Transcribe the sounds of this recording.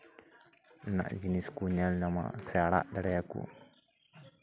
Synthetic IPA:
na̰ʔd͡ʒiniskuɲɛlnama̰sɛaɽa̰ʔdaɽɛakṵ

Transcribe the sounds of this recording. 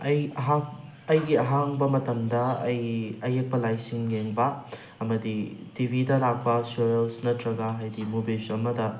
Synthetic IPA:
ɐjɐɦa | ɐjɡiɐɦaŋbɐmɐtɐmdɐɐjɐjek̚pɐlajsinɡeŋbɐ | ɐmɐditibʱidɐlak̚pɐseɾelsnɐtɾɐɡɐɦajdimubesɐmɐdɐ

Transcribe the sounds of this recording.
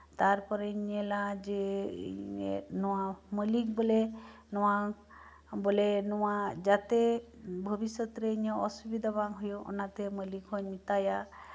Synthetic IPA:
t̪aɾpɔɾeɲelad͡ʒḛ | ḛnɔwaməlik̚bole | nɔwa | bolenɔwad͡ʒat̪e | bʱəbisɔt̪ɾeiɲɔɔsubid̪ʱabaŋɦujuʔɔ̰nat̪eməlikɦɔɲmit̪aja

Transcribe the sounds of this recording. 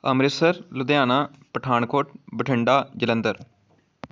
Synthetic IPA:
əmɾɪsəɾlʊd̪jaːnaː | pəʈʰaːɳkʰoːʈ̚bəʈʰɪɳɖaːd͡ʒɪlə̃nd̪əɾ

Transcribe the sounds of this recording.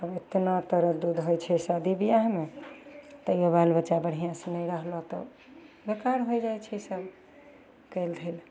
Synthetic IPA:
əbet̪nat̪əɾəd̪ud̪ɦojt͡ʃʰɛsəd̪ibijaɦme | t̪əjoβalbəːt͡ʃabəɽ̤ijãsə̃nəjɾəɦlɔt̪ɔ̰ | bekaɾɦod͡ʒajt͡ʃʰɛsəb | kəjld̪ʱel

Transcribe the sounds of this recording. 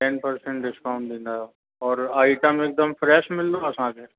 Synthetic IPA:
ʈɛːnpəɾsə̃ɳʈɖɪskaʊ̃ɳʈ̚d̪ĩːnd̪a | ɔːɾaːɪʈəmeːk̚d̪əmfɾɛːʃmɪld̪oɐsãke

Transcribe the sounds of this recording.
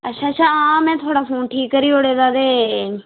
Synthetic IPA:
ətːʃʰaːəʃʰaːãːmɛ̃ːt̪ʰoːɽaːpʰoːnʈʰiːkːəɾiːoːɽeːd̪aːd̪eː

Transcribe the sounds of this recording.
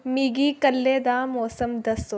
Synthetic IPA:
miɡiːkɐlːeːd̪aːmoːsɐmd̪ɐs

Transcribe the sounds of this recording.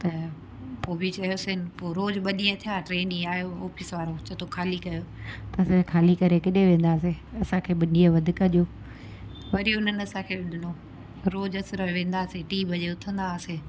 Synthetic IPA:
t̪ɐ | poːbɪt͡ɕɐijosɪnɪ̆poːɾoːd͡ʑɓɐɗijə̃t̪ʰijaːʈɾeːnĩaːjoɔːfɪsʋaːɾot͡ɕɐt̪ʰokʰaːlikɐjoːt̪ɐsẽkʰaːlikɐɾekɪɗeʋẽːnd̪aːseɐsãkʰeːɓɐɗijə̃ʋɐd̪ʱɪkɐʄjoː | ʋɐɾijoɪn̤ənɪɐsãkʰeːɗɪɗʱɪno | ɾoːd͡ʑɐsɪɾoʋẽːn̆d̪aːseʈiːbʱɐʄeʊt̪ʰə̃nd̪aːseː

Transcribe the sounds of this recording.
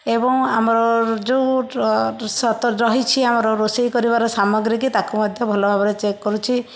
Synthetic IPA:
ebɔŋamɾɔd͡ʒeu | sɔt̪ɔd͡ʒɔɦit͡ʃʰiamɔɾɔɾosejkɔɾiβaɾɔsamɔɡɾik̬it̪akumɔd̪ʱjɔbʱɔlɔbʱabɔɾet͡ʃekːɔɾut͡ʃʰi

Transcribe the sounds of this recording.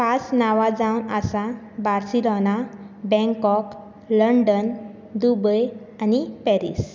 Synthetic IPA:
pasnaʋad͡zawnasa | baɾsilɔna | bɛ̃ŋkɔk | ləɳɖən | d̪ubəj | anipɛɾḭs

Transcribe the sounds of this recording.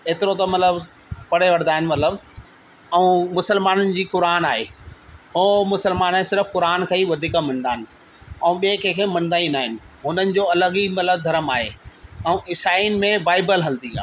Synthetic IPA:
eːt̪ɪɾot̪ɐmɐt̪ləb | pɐɽeʋɐɾd̪aːɦɪnɪ̆mɐt̪ləb | ɛ̃ũːmʊsəlmaːnənɪ̆d͡ʑiːkʊɾaːnaːɦeːɦoːmʊsəlmaːnẽsɪɾəfkʊɾaːnkʰɐiʋɐd̪ʱiːkamɐ̃nd̪aːɦɪnɪ̆ | ɛ̃ũɓiekʰeːkʰeːmɐ̃nd̪aːĩnaːɦɪnɪ̆ɦʊn̤ənɪ̆d͡ʑoːɐləɡimɐt̪ləb̚d̪ʱɐɾəmaːɦeɛ̃ũʔɪsaːinɪ̆mẽbaːɪbəlɦɐld̪ĩɡa̰ː

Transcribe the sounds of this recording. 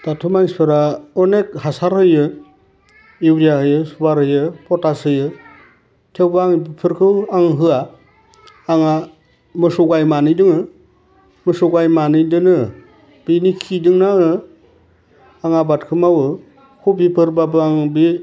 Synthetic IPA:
d̥atʰumaŋspʰɯɾaɔnek̚hasaɾhɯjɯ | iwɾiahɯjɯsubaɾhɯjɯpʰɔtasɯjɯ | tʰewbaŋbipʰɯɾkʰɯwaŋɦɯaː | ŋa | mɯsuɡajmanɯjdɯŋɯ | mɯsuɡajmanɯdɯnɯ | b̥inikʰidɯŋnaŋɯ | aŋabatkʰɯmawɯ | kʰubipʰɯɾbabɯaŋbi

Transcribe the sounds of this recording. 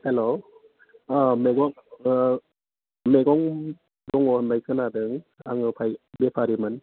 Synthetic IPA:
helo | meɡɔŋ | meɡɔŋ | dɔŋɔnbajkʰɯnadɯŋa̰ŋɯpʰajbepʰaɾimɯn

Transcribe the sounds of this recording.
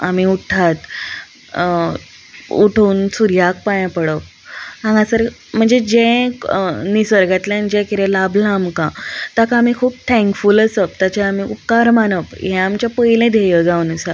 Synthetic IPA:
a̰m̤iuʈʰat̪ | ṵʈʰuːnsuɾjak̚pajãpəɽəp̚ | ãŋɡãsəɾ | m̤əɳd͡zed͡ʑɛ̃ | nisəɾɡat̪lãnd͡ʑɛ̃kiɾẽlablãmkãt̪akãːm̤ikʰuːp̚t̪ʰɛ̃ŋkfuləsəp̚t̪at͡ɕeam̤iṵpkaɾmanəpjɛ̃amt͡ɕjapəjlẽd̪ʱejəd͡zaunəsa

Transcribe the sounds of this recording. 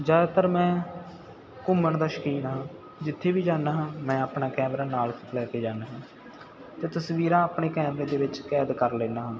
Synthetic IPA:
d͡ʒaːd̪aːt̪əɾmɛ̃ː | kʊməɳd̪aːʃə̥kiːnaːɦãː | d͡ʒɪt̪ʰːeːbiːd͡ʒaːnaːɦãːmɛ̃ːaːpnaːkɛːmɾaːnaːlsəplɛːkeːd͡ʒaːnaːɦãː | t̪eːt̪əsʋiːɾãːaːpɳeːkɛːmɾẽːd̪eːʋɪt͡ʃkɛːd̪kəɾleːnaːɦãː

